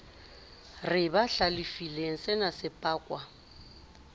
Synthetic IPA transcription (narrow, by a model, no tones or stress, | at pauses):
rɪbaɬalɪfileŋ̩sɛnasɪpʼaːkʼwa